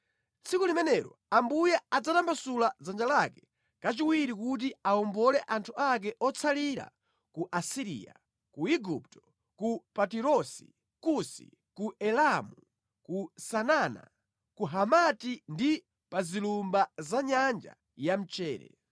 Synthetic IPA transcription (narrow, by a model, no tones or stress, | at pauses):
t͡sʰikulimɛnɛɾɔ̰ | ambujɛad͡zatambasulad͡zand͡ʒalakɛ | kat͡ʃiwiɾikut̬iaɔmbɔlɛʔantʰuak̬ɛʔɔt͡sʰaliɾa̰ | kuʔasiɾḭːa̰ | kuiɡuptɔ̥ | kupatiɾɔsḭ | kusḭ | kuʔɛlamu | kusanaːna̰ | kuɦamatindi | pazilumbazaɲand͡ʒa̰ | jam̩t͡ʃɛːɾɛ̰